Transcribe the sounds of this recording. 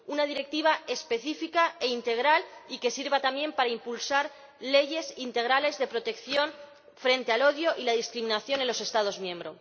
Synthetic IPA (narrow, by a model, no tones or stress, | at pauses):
unaðiɾe̞k̚t̪iβ̞ae̞spe̞θifikaeint̪e̞ɣ̞ɾalike̞siɾβat̪amje̞mpaɾaimpulsaɾ | le̞ʝe̞sint̪e̞ɣɾale̞zðe̞pɾo̞t̪e̞kθjo̞n | fɾe̞nt̪e̞alo̞ðjo̞ʔilaðiskɾimĩnaθjo̞nenlo̞se̞st̪að̞o̞zmjẽ̞mbɾo̞